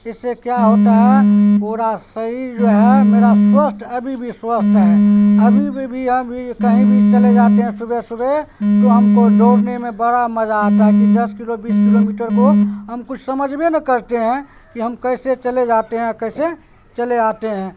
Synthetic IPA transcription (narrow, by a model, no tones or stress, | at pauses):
ɪsːekjaɦoːt̪aɦɛpoɾasəɦid͡ʒoːɦɛmeːɾaswəsʈ̪ʰəbʱibʱiswəst̪ɦɛəbʱibʱiɦəmbʱikəɦĩbʱit͡ʃəled͡ʒaːt̪eɦɛ̃sʊbʱɛsʊbʱet̪oɦəmkoloːɽnemẽbəɽaməd͡ʒad͡ʒ̪akid̪əskilobiːskilomiːʈəɾkoɦəmkʊt͡ʃʰsəməd͡ʒʱmenəkəɾt̪eɦɛ̃ | kiɦəmkəɪset͡ʃəled͡ʒat̪eɦɛ̃kəɪse | t͡ʃəled͡ʒaːt̪eɦɛ̃